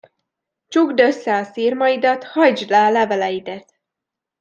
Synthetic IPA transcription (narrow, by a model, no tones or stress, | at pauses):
t͡ʃuɡd̪ø̞sːɛɒsirmɒjid̪ɒt̪hɒjd͡ʒlaːlɛvɛlɛjid̪ɛt̪